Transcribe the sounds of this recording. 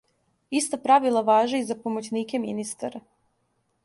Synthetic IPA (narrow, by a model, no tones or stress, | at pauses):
ist̪apɾaʋilˠaʋaːʒeizapomot͡ɕniːkeminist̪a̰ɾa